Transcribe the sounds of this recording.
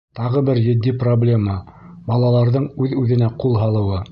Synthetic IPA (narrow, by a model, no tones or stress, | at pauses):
t̪ɑʁɤbɘɾjɘ̆d̪ːiproblʲe̞mɑ | bɑlˠɑlˠɑɾðɤɴʉðʉðɘ̆næqulˠɦɑlˠɤ̆wɤ